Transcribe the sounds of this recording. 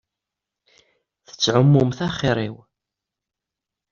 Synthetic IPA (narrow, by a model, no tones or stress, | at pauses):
θə̥t͡sːʕʊmːʊmθæχɪɾˤiw